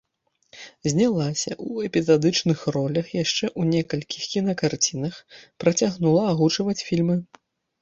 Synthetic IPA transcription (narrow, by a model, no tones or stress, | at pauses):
zʲnʲalˠasʲɐʔuɛpʲizad̪ɨt͡ʂnɨxrɔlʲɐxjaʂt͡ʂɛʔunʲɛkɐlʲkʲʰixkʲinɐkart͡sʲin̪ɐxpɾɐt͡sʲaɣnulˠɐaɣut͡ʂɐvɐt͡sʲfʲilʲmɨ